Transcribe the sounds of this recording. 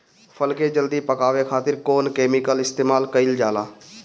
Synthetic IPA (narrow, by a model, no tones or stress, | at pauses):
pʰəlkeːd͡ʒəld̪iːpəkaːʋeːkʰaːt̪ɪɾkoːnkeːmɪkəlɪst̪eːmaːlkəɪld͡ʒaːlaː